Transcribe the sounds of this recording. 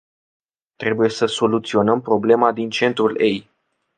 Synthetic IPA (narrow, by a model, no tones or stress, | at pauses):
t̪ɾe̞buje̞səso̞lut̪sio̞nəmpɾo̞ble̞mad̪int͡ʃe̞nt̪ɾule̞j